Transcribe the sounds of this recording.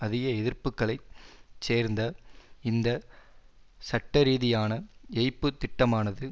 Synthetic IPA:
ɐðɪɣɐɛðɪɾpɯkːɐɭɐɪseːɾnd̪ɐɪnd̪ɐ | sɐʈːɐɾiːðɪjaːnɐɛɪpːɯt̪ːɪʈːɐmaːnɐðɯ

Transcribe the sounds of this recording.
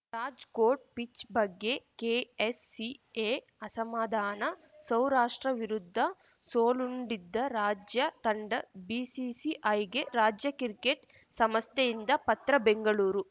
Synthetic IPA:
ɾaːd͡ʒkoːʈ̚pit͡ʃbɐɡːe̞keːesːieː | ɐsɐmaːd̪ʱaːnɐ | sɐwɾaːʂʈɾɐʋiɾud̪ʱːɐ | soːluɳɖid̪ːɐɾaːd͡ʒjɐt̪ɐɳɖɐbiːsisiʔɐjɡeɾaːd͡ʒjɐkiɾikeʈ | sɐmɐst̪ejind̪ɐpɐt̪ɾɐbeŋɡɐɭuːɾu

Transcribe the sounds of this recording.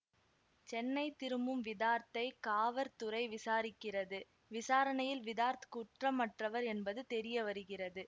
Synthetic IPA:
t͡ʃɛnːɐɪt̪ːɪɾɯmbɯmʋɪðaːɾt̪ɐɪkaːʋɐɾt̪ɯrɐɪʋɪsaːɾɪkːɪrɐðɯ | ʋɪsaːɾɐnɐjɪlʋɪðaːɾt̪kuːʈrɐmːɐʈrɐʋɐɾɛnbɐðɯt̪ɛɾɪjɐʋɐɾɯɣɪrɐðɯ

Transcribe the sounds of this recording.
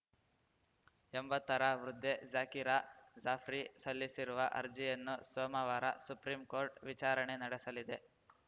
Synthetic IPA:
embɐt̪ːɐɾɐʋɾud̪ʱːed͡ʒaːkiɾad͡ʒaːpʰɾisɐlːisiɾuʋɐʔɐ̰ɾd͡ʒijɐnːusoːmɐʋaːɾɐ̰supɾiːmkoːɾʈʋit͡ʃaːɾɐɳenɐɽɛsɐlid̪e̞

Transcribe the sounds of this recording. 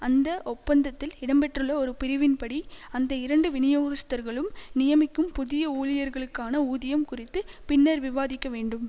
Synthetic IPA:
ɐnd̪ɐʔɔpːɐnd̪ɐt̪ːɪlɪɽɐmpɛʈrɯɭːɐɔɾɯpɪɾɪʋɪnpɐɽiɐnd̪ɐɪɾɐɳɖɯʋɪnɪjoːɣɐst̪ːɐɾɣɐɭɯmnɪjɐmɪkːɯmpʊðɪjɐuːlɪjɐɾɣɐɭɯkːaːnɐuːðɪjɐmkʊrɪt̪ːɯpɪnːɐɾʋɪʋaːðɪkːɐʋeːɳɖɯm

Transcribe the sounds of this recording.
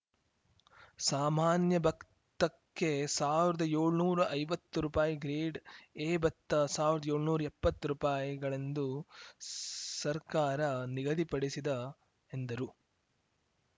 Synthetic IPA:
saːmaːnjɐbʱɐk | t̪ɐkːe̞saːʋiɾɐd̪ɐjeːɭnuːɾɐʔɐjʋɐt̪ːuɾupaːjiɡɾeːɖeːbɐt̪ːɐsaːʋiɾɐd̪ɐjeːɭnuːɾɐepːɐt̪ːɾupaːjiɡɐɭend̪u | sɐɾkaːɾɐniɡɐd̪ipɐɽisid̪ɐ | end̪ɐɾu

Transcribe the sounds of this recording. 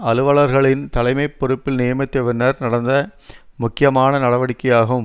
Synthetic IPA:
ɐlɯʋɐɭɐɾɣɐɭɪnt̪ɐlɐɪmɐɪpːɔɾɯpːɪlnɪjɐmɐt̪ːɛʋɪnːɐɾnɐɽɐnd̪ɐmʊkːɪjɐmaːnɐnɐɽɐʋɐɽɪkːɐjaːɣɯm

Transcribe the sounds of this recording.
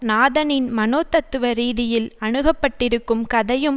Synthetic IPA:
naːðɐnɪnmɐnoːt̪ːɐt̪ːɯʋɐɾiːðɪjɪlɐɳɯɣɐpːɐʈːɪɾɯkːɯmkɐðɐjɯm

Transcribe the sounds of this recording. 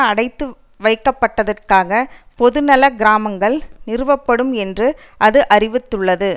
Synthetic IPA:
ɐɽɐɪt̪ːɯ | ʋɐɪkːɐpːɐʈːɐðɐrkaːɣɐ | pɔðɯnɐlɐɡɪɾaːmɐŋɡɐɭnɪɾɯʋɐpːɐɽɯmɛndrɯ | ʔɐðɯʔɐrɪʋɪt̪ːɯɭːɐðɯ

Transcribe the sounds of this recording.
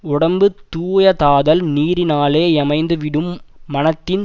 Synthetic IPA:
ʊɽɐmbɯt̪uːjɐt̪aːðɐlniːɾɪnaːleːɛmɐɪnd̪ɯʋɪɽɯmːɐnɐt̪ːɪn

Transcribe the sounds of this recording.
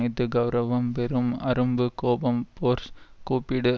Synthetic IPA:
ɪt̪ːɯɡɐʊɾɐʋɐmpɛɾɯmɐɾɯmbɯkoːbɐmpoːɾskuːpːɪɽɯ

